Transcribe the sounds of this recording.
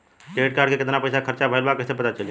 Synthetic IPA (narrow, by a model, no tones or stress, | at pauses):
keːʈ̚kaːɾɖkekɪt̪napəjsakʰəɾt͡ʃabʱəlbakəɪsepət̪at͡ʃəli